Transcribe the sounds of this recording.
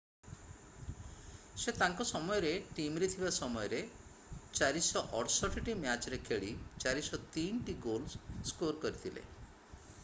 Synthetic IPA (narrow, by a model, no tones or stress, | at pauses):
set̪aŋkɔsɔmɔjɔɾeʈimɾit̪ʰibasɔmɔjɔɾe | t͡ʃaɾisɔʔɔʈsɔʈiʈimjat͡ʃɔɾekʰeɭit͡ʃaɾisɔt̪iɳʈiɡolsskoɾkɔɾit̪ʰilḛ